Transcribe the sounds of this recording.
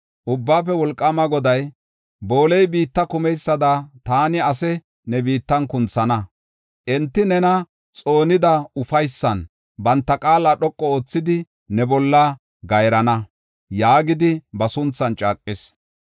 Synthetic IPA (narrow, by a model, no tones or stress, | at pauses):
ʔʊbːaːfɛwɔlkʼːɐmɐɡɔd̪ɐj | boːlɛjbiːt̪ːɐkʊmɛjsːɐd̪ɐt̪aːnɪɐsɛ | nɛbiːt̪ːɐnkʊnt͡sːɐnɐ | ʔɛnt̪ːɪnɛnɐ | t͡sʼo̞ːnɪd̪ɐʊfɐjsːɐn | bɐnt̪ːɐkʼaːlːɐɗɔkʼːɔoːt͡sːɪd̪ɪ | nɛbɔlːɐ | ɡɐjɾɐnɐ | jaːɡɪd̪ɪbɐsʊnt͡sːɐnt͡ʃʼaːkʼːɪs